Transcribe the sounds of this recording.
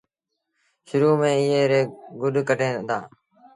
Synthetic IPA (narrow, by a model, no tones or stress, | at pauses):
ʃʊɾuːmẽːɪɦeːɾeːɡʊɗkəʈʰẽːd̪a̰ː